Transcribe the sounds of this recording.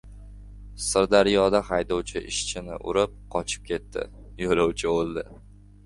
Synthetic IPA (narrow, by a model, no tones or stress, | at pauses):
sɪɾd̪aɾjɒd̪aχajd̪ɒwt͡ʃʰɪʔɪ̰ʃt͡ʃʰɪnɪ̰ʔʊ̰ɾɪp̚qʰɒt͡ʃʰɪ̥p̚kʲe̞t̪ʰːɪ̰ | jolɒwt͡ʃʰɪolˠd̪ɪ